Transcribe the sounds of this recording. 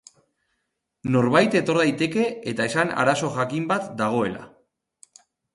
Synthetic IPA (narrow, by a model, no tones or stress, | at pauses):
no̞ɾβajt̪e̞t̪o̞ɾðajt̪e̞ke̞ːt̪ae̞sana̰ɾaso̞ʝakimbat̪d̪aɣ̞o̞e̞la̰